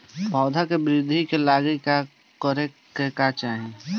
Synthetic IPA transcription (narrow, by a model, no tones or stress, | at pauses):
pɔːd̪ʱakebɾɪd̪ʱikelaːɡika | kəɾe | kekat͡ʃaːɦĩ